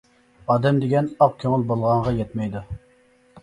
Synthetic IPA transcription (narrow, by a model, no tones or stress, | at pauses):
ɑːd̪ɛmd̪eɡʲɛnɑq̚kʲʰøŋɪlˠbolˠʁɑɴʁɑjɛt̪mɛjd̪u